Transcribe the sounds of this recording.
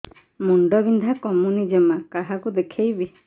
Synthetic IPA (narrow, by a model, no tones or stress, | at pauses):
muɳɖɔbind̪ʱakɔmunid͡ʒɔmakaɦakud̪ekʰejbi